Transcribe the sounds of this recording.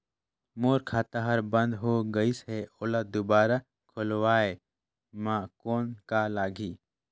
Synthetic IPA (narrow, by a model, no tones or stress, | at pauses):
moːɾkʰaːt̪aɦɐɾbə̃nd̪ɦoːɡəisɦeʊlad̪ʊbaːɾa | kʰʊlwaːe | mãːkoːnkalaːɡʱiː